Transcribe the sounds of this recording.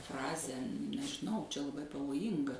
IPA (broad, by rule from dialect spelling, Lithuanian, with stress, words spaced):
ˈfrɑːzʲæː nʲɛʒʲɪˈnɐʊ t͡ʃʲɛ lˠɐˈbɐɪ pɐʋoːˈjiːŋɡɐ